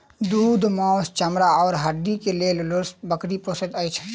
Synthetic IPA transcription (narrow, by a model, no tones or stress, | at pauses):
d̪uːd̪mɔ̃ːʊst͡ʃəmɾaɔːɾɦəɖ̪ikeleːllʊsbəkɾiposəd̪əjt͡ʃʰ